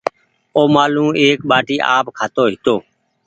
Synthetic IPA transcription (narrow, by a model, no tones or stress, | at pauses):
oːmaːlũːeːkɓaːʈiːʔa̰ːpkʰaːt̪oːɦɪt̪oː